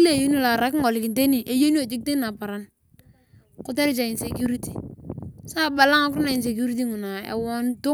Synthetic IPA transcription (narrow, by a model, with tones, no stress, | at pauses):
le˦˨jo˦n˦la˨ɾa˨kŋɔ˨lɪ˨kɪ˨nte˦ni˨ʔe˨jo˦ni˦a˨d͡ʒi˦k̚te˦na˨pa˨ɾa˨n | kʊ˦te˦ɾɪ˦t͡ʃa˨ɪ˨nse˨kju˦ɾi˦ti˨sa˦˨ba˨la˦ŋa˦kɾna˨ɪ˨se˨k̬ju˦ɾi˦t̬i˦ŋu˨na˨ḛ˨wɔ˦ntʊ˦